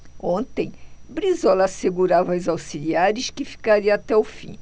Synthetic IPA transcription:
õnt̪ẽj̃bɾizɔlɐaseɡuɾavɐwzawsiliaɾʊʃkɪfi̥kaɾiɐat̪ɛʊfḭ̃

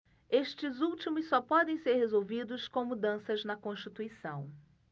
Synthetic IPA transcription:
eʃt͡ʃɪzuwt͡ʃimʊssːɔpɔd̪ẽj̃seɾhezowvid̪ʊskõw̃mud̪ɐ̃sɐznɐkõʃt͡ʃit̪uisɐ̃w̃

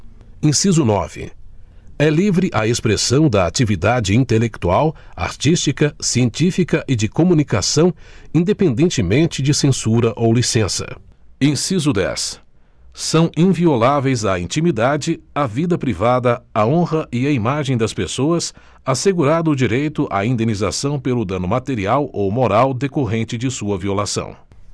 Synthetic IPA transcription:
ẽsizʊnɔ̰vɪ̰ | ɛlivɾɪʔɐespɾesɐ̃w̃d̪ɐa̰t͡ʃivid̪ad͡ʒɪĩt̪elek̚t̪uawa̰ɾt͡ʃist͡ʃikɐsiẽnt͡ʃifikɐʔɪd͡ʒɪkomũnika̰sɐ̃w̃ĩnd̪epẽnd̪ẽnt͡ʃɪmẽnt͡ʃɪd͡ʒɪsẽsuɾɐʔowlisẽsɐ̰ẽsizʊd̪ɛ̰s | sɐ̃w̃ʔĩviolavejzɐĩt͡ʃimid̪ad͡ʒɪɐvid̪ɐpɾivad̪ɐaõhɐʔɪɐimaʒẽj̃d̪ɐspesoɐs | aseɡuɾad̪ʊd͡ʒiɾejt̪ʊʔa̰ĩnd̪ẽniza̰sɐ̃w̃pelʊd̪ɐ̃nʊmat̪eɾiawowmoɾawd̪ekoɦẽnt͡ʃɪd͡ʒɪsuɐviolasɐ̰̃w̃

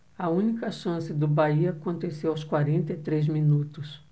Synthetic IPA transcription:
ɐũnikɐʃɐ̃sɪd̪ʊbaiɐakõnt̪esewawskwaɾẽnt̪ɐit̪ɾejzmĩnut̪ʊs

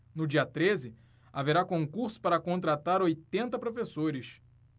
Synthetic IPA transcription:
nʊd͡ʒiɐt̪ɾezɪ | aveɾakõŋkuɾsʊ̥paɾɐkõnt̪ɾat̪aɾojt̪ẽnt̪ɐpɾofesoɾɪʃ

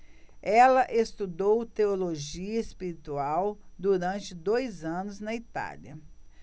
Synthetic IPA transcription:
ɛlɐʔest̪ud̪owt̪eoloʒiɐespiɾit̪uawd̪uɾɐ̃nt͡ʃɪd̪ojzɐ̃nʊznɐit̪a̰lɐ

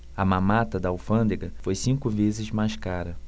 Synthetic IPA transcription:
ɐmãmat̪ɐd̪ɐawfɐ̃nd̪eɡɐfojsĩŋkʊvezɪzmajʃkaɾɐ

